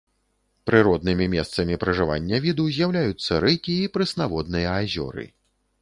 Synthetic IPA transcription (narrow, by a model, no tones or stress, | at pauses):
pɾɨɾɔd̪nɨmʲimʲɛst̪sɐmʲipɾɐʐɨva̰nʲːɐvʲid̪uzʲjawlʲajut̪sːɐɾɨkʲiːpɾɨsnavɔd̪nɨjɐːzʲɔ̰ɾɨ̰